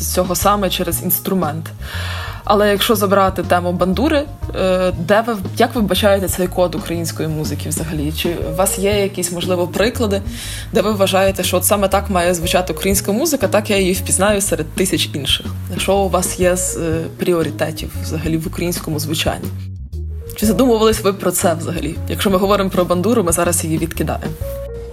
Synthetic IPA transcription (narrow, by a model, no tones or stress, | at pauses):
t͡sʲɔɦɔsɑmɛt͡ʃɛɾezḭnst̪ɾʊmɛnt̪ | ɐ̰lˠɛjɐkʃt͡ʃɔzɐbɾɑt̪ɪt̪ɛmʊbɐnd̪uɾɪ | d̪ɛʋɪjɐkʋɪbɐt͡ʃɑjet̪ɛsɛjkɔd̪ʊkɾɐjinʲsʲkɔjimuzɪkʲiʋzɐɦɐlʲit͡ʃɪʋɑsjɛjɐkʲisʲmɔʒlˠɪʋɔpɾɪklˠɐd̪ɪ | d̪ɛʋɪʋʋɐʒɑjet̪ɛʃt͡ʃɔɔt̪sɑmɛt̪ɑkmɑjɛzʋʊt͡ʃɑt̪ɪʊkɾɐjinʲsʲkɐɐmuzɪkɐt̪ɑkjajixpʲiznɑjʊsɛɾed̪t̪ːɪsʲɐt͡ʃinʃɪxɐʃt͡ʃɔʊʋɑsjɛzpɾʲiɔɾʲit̪ɛtʲiwʋzɐɦɐlʲiʋʊkɾɐjinʲsʲkɔmʊzʋʊt͡ʃɑ̰nʲːi | t͡ʃɪzɐd̪umʊʋɐlˠɪsʲʋɪpɾɔt̪sɛʋzɐɦɐ̰lʲijɐ̰kʃt͡ʃɔmɪɦɔʋɔɾɪmpɾɔbɐnd̪uɾʊmɪzɑɾɐsjijiʋʲid̪kɪd̪ɑ̰jḛmɔ